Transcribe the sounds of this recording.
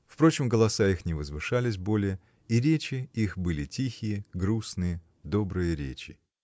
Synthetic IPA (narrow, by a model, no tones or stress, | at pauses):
fpɾo̞t͡ɕɪmɡəlˠɐsaixnʲɪvəzvɨʂalʲɪs̬ʲbo̞lʲɪjə | iɾʲet͡ɕɪixbɨlʲɪtʲixʲɪjəɡɾusnɨjə | d̪o̞bɾɨjəɾʲḛt͡ɕʲɪ